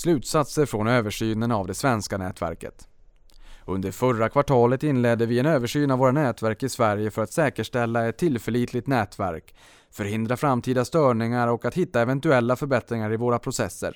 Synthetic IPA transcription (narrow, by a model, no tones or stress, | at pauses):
slʉ̟ːt̪sat̪səɾfɾɔnøːvəʂyːnənavd̪ɛsvɛnskanɛ̰ːt̪væ̰ɾkə̰t̪ | ɵnd̪əɾfœɾakʰvaʈʰɑːlət̪ɪnlɛd̪ːəvɪɛnøːvəʂyːnavoːɾanɛːt̪væɾkɪsvæɾjəfœɾat̪sɛːkəʂʈɛlːaɛt̪ʰːɪlfɛɭiːt̪lɪɡ̚t̪nɛːt̪væ̰ɾk | fœɾhɪnd̪ɾafɾamːt̪ʰiːd̪ast̪œːɳɪŋaɾɔkat̪hɪt̪ːaɛvɛnt̪ɵɛlːafœɾbɛt̪ɾɪŋaɾɪvoːɾapʰɾʊsɛsːə̰ɾ